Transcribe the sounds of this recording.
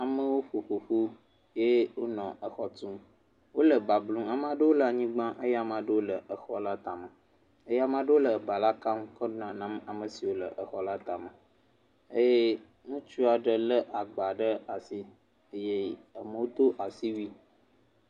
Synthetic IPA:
a˨mə̃˦wo˦ɸo˨ɸo˨ɸu˦ | je˦wo˦nɔ̃˨ʔə˨xɔ˨t̪ũ˦m | wo˦lə˨ba˨blũ˦a˨m˦˨a˨ɖə˦wo˦lə˨a˨ɲĩ˦ɡ͡bã˦ʔə˦ja˨mã˨ɖə˦wo˦lə˨ʔə˨xɔ˦la˦t̪a˨mə̃˨ | ə˦ja˨mã˨ɖə˦wo˦lə˨ba˨la˦ka˦m˦kə˦nã˨nã˦ma˨mə˨si˨wo˦lə˨ʔə˨xɔ˦la˦t̪a˨mə˨ | e˦je˦ | ŋũ˦t͡ʃu˦a˨ɖə˨lə˦ʔa˨ɡ͡ba˨ɖə˦a˨si˦ | ə˦je˦a˨mə̃˨wo˦d̪o˦ʔa˨si˦wi˦

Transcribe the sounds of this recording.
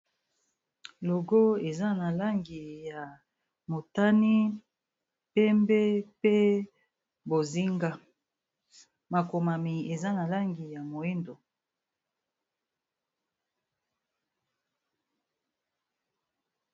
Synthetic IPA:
lo˨ɡo˦e˨za˦na˨la˦ŋɡi˨ja˨ | mo˨ta˦ni˦ | pɛ˦mbɛ˦pe˦ | bo˨zi˦ŋɡa˦ | ma˨ko˨ma˨mi˨e˨za˦na˨la˦ŋɡi˨ja˨mo˨e˦ndo˨

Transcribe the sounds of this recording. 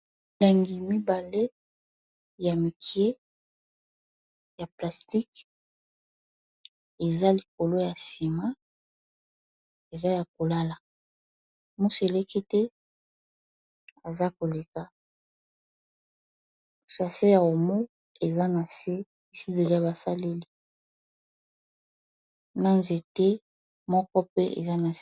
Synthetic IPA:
la˨ŋɡi˨mi˦ba˨le˦ | ja˨mi˨kʰi˨e˦ | ja˨pla˨sti˦k | e˨za˦li˨ko˨lo˦ja˨si˨ma˦ | e˨za˦ja˨k̚o˨la˦la˨ | mu˦se˨le˦ki˦tɛ˦ | a˨za˦ko˨le˨ka˨ | u˨ʃa˨se˦ja˨o˨mo˦ | e˨za˦na˨se˦ | i˨si˦de˨li˦a˨ba˨sa˦le˦li˦ | na˦nze˨te˦ | mɔ˦kɔ˦pe˦ʔḛ˨za˦na˨

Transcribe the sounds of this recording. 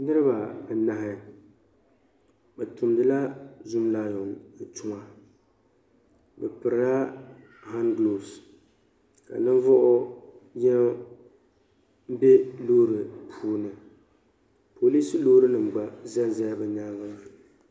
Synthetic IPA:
nɨ˦ɾɨ˦ba˨bɛ˨na˨ɦɪ˨ | bɛ˨tʊ˨mdɨ˨la˦zʊ˦mlaː˦jɔ˨n̩˨tʊ˨ŋa˨ | bɛ˨pɨ˨ɾa˦ | ha˦nɡlo˨bs | ka̰˨nɨ˦ɱ˦vɔ˦ʔʊ˦jɛ˦ | m̩˦bɛ˦loː˦ɾɨ˨pʰuː˦nɨ˨ | pʰo˨li˦si˦loː˦ɾɨ˦nɨ˨ŋ͡m̩˨ɡ͡ba˨zɛ˦n˦za˦ja˦bɛ˨ɲa˦ŋ˦ma˨

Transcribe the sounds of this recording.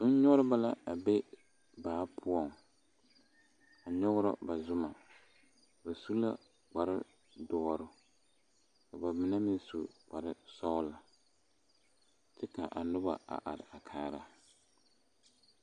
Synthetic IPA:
ʊ˦n̩˦ɲɔ˦ɾɪ˦ba˦la˦a˨be˦ | baː˨˦pʰʊ˦ɔ˨ŋ | a˨ɲɔ˦ɣʊ˦ɾɔ̰˦ba˨zʊ˦ma˨ | ba˨su˦la̰˦ | k͡pa˨ɾɪ̰˦ | dɔː˦ɾʊ˦ | ka˨ba˨mɪ˨nɛ˦mɪ˦n˦su˨k͡pa˨ɾɪ˦sɔ˦la˨ | tɪ˦ka˨ʔa˨nʊ˦ba̰˨a̰˨ʔa̰˨ɾɪ˨a˨kʰaː˦ɾa˨

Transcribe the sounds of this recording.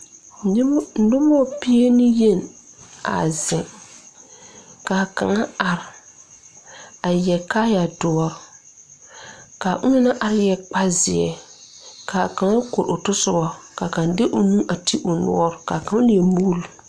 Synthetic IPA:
n̩˨dʊ˦mɔ˦˨pi˦e˦nɪ˦je˦˨n | a̰˨zɪ˨ | ka˨ka̰˨ŋa˦a˨ɾɪ˨ | a˨jɛ˨ka˦ja˨dʊ˨ɔ˨ɾ | ka˨ʔʊ˦nɪ˦na˦ʔa˨ɾɪ˦jɛ˨k͡pa˦zɪ˨ɛ̰˨ | ka˨ka˨ŋa˦ko˨ɾʊ˨tʊ˦sʊ˦bɔ˦ka˨ka˨ndɪ˦ʔʊ˨nũ˦ʔa˨tʰi˦ʔʊ˨nʊ̰˦ɔ˦ɾka˨ka˨ŋa˦lɪ˨ɛ˨mu˦l

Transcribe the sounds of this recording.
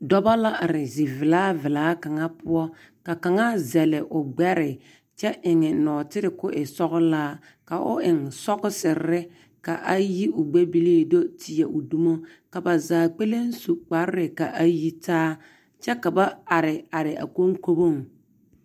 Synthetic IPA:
dɔ˦ba˦la˦ʔa˨ɾɪ˨zi˨vɪ˨laː˦vɪ˨laː˦ka˨ŋa˦pʊ˦ɔ˦ | ka˨ka˨ŋa˦zɛ˨lɪ˨ʔʊ˨ɡ͡bɛ˦ɾɪ˨ | t͡ʃɛ˦ʔɪ˨ŋɪ˨nɔː˨tɪ˦ɾɪ˨kʊ˦ʔɪ˨sɔ˦ɣʊ˦laː˦ | ka˨ʔʊ̰˦ʔɪ˨ŋsɔ˦ɣʊ˦sɪ˨ɾɪ˦ | ka˨ʔa˦ji˦ʔʊ˨ɡ͡be˦bi˦leː˦˨do˦tʰi˨ɛ˨ʔʊ˨du˦mo˦ka˨ba˨zaː˨k͡pe˦le˦n˦su˨k͡pa˨˦ɾɾɪ˨ka˨ʔa˦ji˦taː˦ | t͡ʃɛ˦ka˨ba˦a˨ɾɪ˨a˨ɾɪ˨ʔa̰˨ko˦ŋko˦bo˦˨ŋ

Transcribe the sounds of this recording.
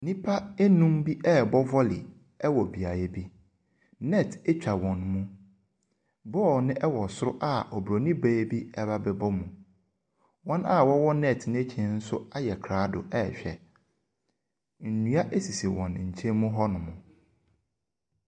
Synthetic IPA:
nĩ˦pʰa˦e˦nũ˦mbi˦ʔɛ˦˨bɔ˦vɔ˦lɪ̰˨ | ɛ˦wɔ˨bi˨a˨ɾɛ˦bi˦ | nɛ˦˨tʰe˦t͡ɕᶣa˨wɔ̃˨nmũ˦ | bɔ˦˨nɪ̃˦ʔɛ˦wɔ˨sʊ˦ɾʊ˦ʔa˦ʔɔ˨bɾo˨nĩ˦beː˦bi˦ɛ˦ba˦bɛ˨bɔ˦mũ˨ | wɔ̃˦na˦wɔ˦wɔ˦nɛ˦˨tnɪ̃˦e˦t͡ɕʰɛ̃˨n̩˦sʊ˦a˦jɛ˨kʰɾaː˨˦dʊ̰˨ɛ˦˨ɕᶣɛ̰˨ | n̩˨nũ˨˦a˦ʔe˦si˨si˨wɔ̃˨n˨ɲ̩˨t͡ɕʰɛ̃˦mmũ˦ɦɔ˦nʊ̃˨mʊ̃˨

